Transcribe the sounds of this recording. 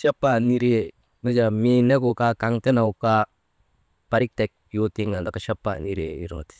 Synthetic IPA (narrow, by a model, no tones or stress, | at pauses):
ʃapːaniɾie | nad͡ʒaminekukakaŋtɛnauka | paɾik̚tek̚jotiŋandakaʃapːa̰niɾḛḭɾo̰ti̥